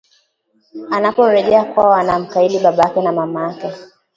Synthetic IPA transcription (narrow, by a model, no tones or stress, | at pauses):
anapɔɾɛʄɛakwaɔanam̩kailiɓaɓajakɛnamamajakɛ